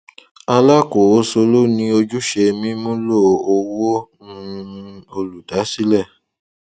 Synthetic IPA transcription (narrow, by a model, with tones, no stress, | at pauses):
a˧la˦ko˨o˨˦so˧lo˦nĩ˧˦o˧d͡ʒu˦ʃe˧mĩ˦mũ˦lo˦˨o˧wo˦nũ˦˧o˧lu˨da˨˦si˦lɛ˦˨